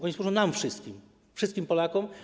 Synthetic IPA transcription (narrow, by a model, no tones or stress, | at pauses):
ɔɲiswuʐɔ̃w̃namfʂɘst̪kʲim | fʂɘst̪̚kʲimpɔlakɔm